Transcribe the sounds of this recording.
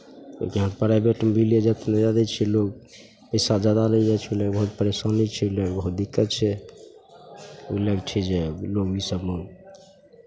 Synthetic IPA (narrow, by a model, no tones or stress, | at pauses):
ḛkiɦãnpəɾajbeʈəmbilied͡ʒat̪ned͡ʒad̪ɛt͡ʃʰɛlok | əsad͡ʒad̪aləid͡ʒat͡ʃʰoləɡbəɦut̪̚pəɾesanit͡ʃʰɛoləɡbəɦut̪̚d̪ikːət̪̚t͡ʃʰɛ | oləɡt͡ʃʰɛd͡ʒeloɡisəbmun